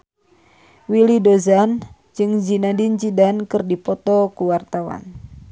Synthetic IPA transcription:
wilidozan | d͡ʒɨŋd͡ʒinadint͡ʃidankɨrdipɔt̪ɔkuwart̪awa̰n

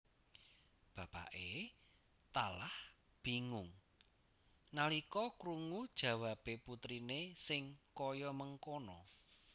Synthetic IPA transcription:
b̥ä̤pa̰ʔe | t̪alah | b̥i̤ŋʊŋ | nalikɔkɾuŋud̥ʒ̥ä̤wapeput̪ɾinesɪŋkɔjɔməŋkonɔ

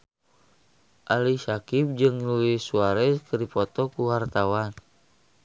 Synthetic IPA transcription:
ʔalisakip̚d͡ʒɨŋluisuaɾɛskədipɔt̪ɔkuwart̪awan

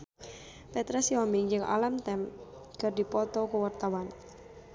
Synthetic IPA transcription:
pɛt̪ɾɛsiɔmɪŋjd͡ʒəŋʔa̰lamt̪ɛm | ɡ̥ərdipɔt̪ɔkuwart̪awan

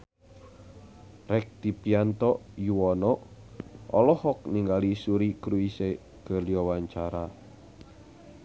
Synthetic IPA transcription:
rɛk̚d̪̥i̤piant̪ɔʔjuwɔnɔʔ | ʔɔlɔhɔk̚niŋɡalisuɾikɾuise | ɡ̥ə̤liɔwaɲt͡ʃaɾa

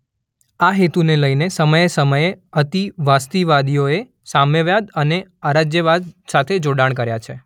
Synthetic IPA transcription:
aɦet̪uneləjnesəməjesəməjeət̪iʋast̪iʋad̪ijoe | saməʋjad̪əneaɾad͡ʒjəʋad̪sat̪ʰed͡ʒoɽaɳk̬əɾjat͡ʃʰe

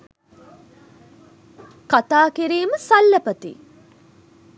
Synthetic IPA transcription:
kat̪aːkiɾiːməsɐlːɐpət̪ḭ

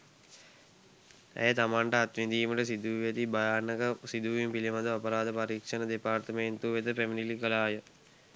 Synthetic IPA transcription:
æ̰jət̪amaɳʈəat̪ʋind̪iːməʈəsid̪uʋʋet̪ibajaːnəkəsid̪uʋimpilimad̪əapəɾaːd̪əpaɾiːkʂənəd̪epaːɾt̪əment̪uʋet̪əpeminilikəlaːjə

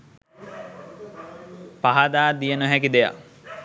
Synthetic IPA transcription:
paɦad̪aːd̪ijənəɦɛkid̪eja̰

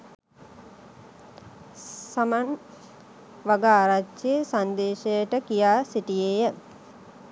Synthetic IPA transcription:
saman | ʋaɡaːɾat͡ʃesand̪eːʃejəʈəkijaːsiʈijeːjə

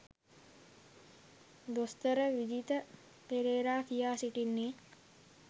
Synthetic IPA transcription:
d̪ost̪əɾəʋid͡ʒit̪ə | peɾeːɾaːkijaːsiʈinːeː

